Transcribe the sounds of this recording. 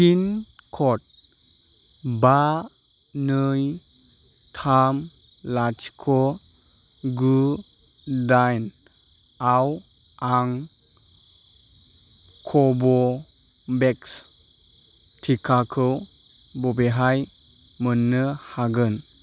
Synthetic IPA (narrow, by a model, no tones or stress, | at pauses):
kinkʰɔt̚ | ba | nɯj | tʰam | lat͡ʃkʰɔ | ɡu | dajn | aw | aŋ | kʰɔbɔ | beks | tʰikʰakʰɯw | bɔbeɦaj | mənːɯhaɡɯn